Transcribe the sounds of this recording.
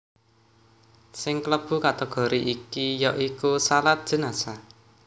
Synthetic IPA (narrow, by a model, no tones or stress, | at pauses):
sɪŋkləb̥ṳkat̪əɡ̥ɔ̤ɾiʔikijɔʔikusalat̪̚d̥ʒ̥ə̤nasa